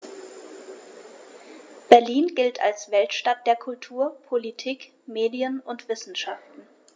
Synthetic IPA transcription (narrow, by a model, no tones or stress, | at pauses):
b̥ɛɐliːnɡɪltʰa̰lsv̥ɛltʃtat̚d̥eːɐkʰʊltʰuːɐpʰolitʰiːk | meːdiənʊntv̥ɪsn̩ʃaftn̩